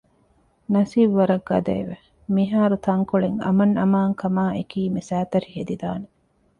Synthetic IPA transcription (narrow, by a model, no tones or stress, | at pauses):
nɐsiːbʋɐɾɐɡːɐ̰d̪ḛːʋe | miɦaːɾut̪ɐŋkuɭeŋɐ̰mɐnɐmaːŋkɐmaːekiːmisæːt̪ɐɾihed̪id̪aːne